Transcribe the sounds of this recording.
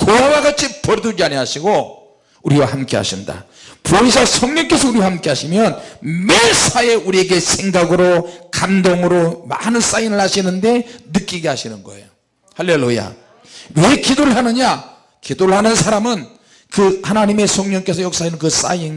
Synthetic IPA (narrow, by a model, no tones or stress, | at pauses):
kojaɡaɡat͡ɕʰipʌɾdud͡ʑiaɲiɦaɕʰiɡo | uɾiwahamk͈e̞ɦa̰ɕʰinda̰ | poesʰʌsʰʌŋɲʌŋk͈e̞sʰʌuɾiwahamk͈e̞ɦaɕʰimjʌnmesʰaje̞uɾieɡe̞sʰe̞ŋɡaɡɯɾokandoŋɯɾoma̰nɯns͈ainɯɭhaɕʰinɯnde̞nɯk͈iɡe̞haɕʰinɯnɡʌ̰ḛjo | halːe̞luja̰ | we̞kidoɾɯɭɦanɯɲa | kidoɭɦanɯnsʰaɾamɯn | kɯhanaɲime̞sʰʌŋɲʌŋk͈e̞s̬ʰʌjoks͈ainɯnkɯs͈a̰in